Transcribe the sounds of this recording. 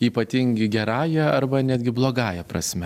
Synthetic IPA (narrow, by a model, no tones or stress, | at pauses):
iːpɐt̪ʲɪŋʲɡʲɪɡʲɛɾɑːjɛɐrbɐnʲæːd̪ʲɡʲɪblˠoːɡɑːjɛpɾɐ̰sʲmʲɛ